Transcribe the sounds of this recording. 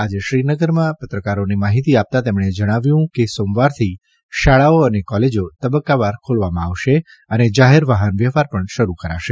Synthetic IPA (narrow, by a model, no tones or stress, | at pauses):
ad͡ʒeʃɾinəɡəɾmãpət̪ɾəkaɾonimaɦit̪iap̚t̪at̪emɽ̃ed͡ʒəɽ̃aʋjũkesõmʋaɾt̪ʰi | ʃaɭaoənekɔled͡ʒot̪əbəkːaʋaɾkʰolʋamãaʋʃe | əned͡ʒaɦeɾʋaɦənʋjəfaɾpəɳʃəɾukəɾa̰ʃe